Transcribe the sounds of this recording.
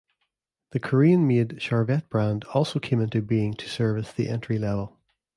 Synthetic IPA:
ðəkʰə˞iə̃nmedʃaɹvɛʔ̚b̥ɹãndɔlˠsokʰẽmɪ̃ntʉbiɪ̃ŋtʰə̥sɜ˞vəsðḭʔɛ̃ntɹ̥ilˠɛvəlˠ

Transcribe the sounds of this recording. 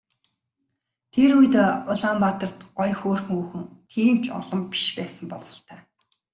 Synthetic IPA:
t̪ʰeɾujt̪ːʊɮaːmpat̪ə̆r̥t̪ɢ̥ɔjxoːrx̆ŋuːxɘ̆ŋt̪ʰiːmt͡ɕʰɔ̰ɮɞ̆mpi̥ʃpæːsə̆mpɔɮɞ̆ɬt̪æː

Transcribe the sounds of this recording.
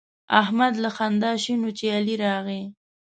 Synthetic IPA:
ahmad̪laxand̪ɑʃinot͡ʃealiɾɑɣi

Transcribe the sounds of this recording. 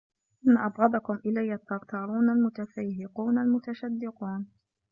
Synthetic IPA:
ʔɪnːaʔɑbɣɑd̪ˤɑkʊmʔɪlajːat̪ːɑɾt̪ʰɑːɾˤuːnalmʊt̪afajɦɪquːnalmʊt̪aʃad̪ːɪquːn

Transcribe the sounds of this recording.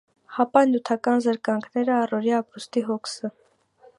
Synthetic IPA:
hɑpɑnut̪ʰɑkɑnzəɾkɑŋkʰnɛɾəɑrɔɾiɑpɾust̪iɦɔkʰsə

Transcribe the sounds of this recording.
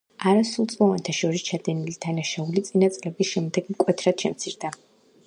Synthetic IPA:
aɾasulˠt̪sʼmɔvant̪ʰaʃɔɾist͡ʃʰad̪ɛnilid̪̥anaʃaulit̪sʼinat̪sʼlɛbisʃɛmd̪ɛɡ̥mkʼwɛt̪ʰɾad̪̥ʃɛmt̪sʰiɾd̪a

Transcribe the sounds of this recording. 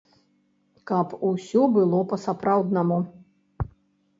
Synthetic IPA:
kɐpusʲɔbɨlˠɔpɐsapɾawd̪nɐmu

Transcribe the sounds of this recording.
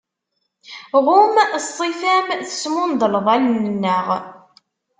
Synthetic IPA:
ʁʊmsˤifæmθə̥smʊnd̪ˤələðˤælnənːəʁ

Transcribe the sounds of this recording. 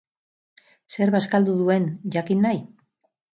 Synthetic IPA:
se̞ɾβaskald̪uðue̞nʝakinːaj

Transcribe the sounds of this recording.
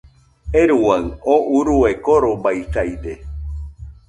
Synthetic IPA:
eɾuwaɰoʔuɾuekoɾombajtajd̪e

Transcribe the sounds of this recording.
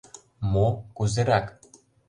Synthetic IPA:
mokuzeɾɑk

